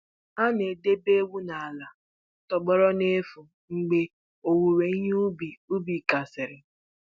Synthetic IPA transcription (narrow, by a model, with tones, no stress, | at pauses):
a˦ne˨de˦be˦wu˦na˨a˨la˨ | tɔ˨ɡ͡bɔ˦ɾɔ˦ne˦fu˨ | ŋ͡m̩˨ɡ͡be˦ | o˨wu˨ɾe˨˦u˦bi˨u˦bi˨ka˨sɪ˨ɾɪ˨